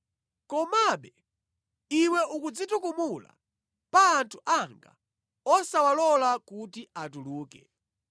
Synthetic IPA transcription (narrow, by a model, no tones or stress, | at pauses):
kɔmaɓɛ | iwɛʔukud͡zitukumula̰ | paːntʰu̥ʔaŋɡa̰ | ɔsawalɔlakutiat̬uluːkɛ